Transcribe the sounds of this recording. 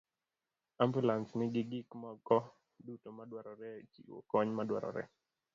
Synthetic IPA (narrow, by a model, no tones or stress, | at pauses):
ambulansnɪɡɪɡɪkmɔkɔ | dutomadwaɾɔɾɛt͡ʃḭwo̰kɔɲmadwa̰ɾɔ̰ɾɛ̰